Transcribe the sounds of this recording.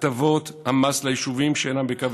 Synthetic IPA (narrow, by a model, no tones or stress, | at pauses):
t̪avot̪hamaslajiʃuvimʃeenambekav